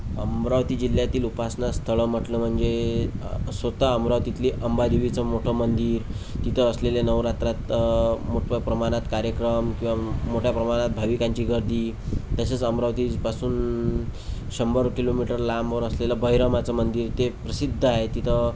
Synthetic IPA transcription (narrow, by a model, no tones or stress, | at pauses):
əmɾaʋt̪iːd͡ʑil̤jat̪iːlupasnast̪ʰəɭəm̤əʈləm̤əɳd͡ze | sʋət̪aəmɾaʋt̪it̪liːʔəmbad̪iʋit͡səmoʈʰəmənd̪iːɾ | t̪it̪ʰəːsleljanəʋɾat̪ɾat̪moʈpəpɾəmañat̪kaɾjəkɾəmkĩʋamoʈʰjapɾəmaɽ̃at̪̚bʱaʋikaɲt͡ɕiːɡəɾd̪ʱiː | t̪əset͡səmɾaʋt̪ipasuːn | ɕəmbəɾkilomiʈəɾlaməʋəɾəslelabəɦjɾəmat͡səmənd̪iːɾt̪epɾəsid̪ʱːəaɦet̪it̪ʰə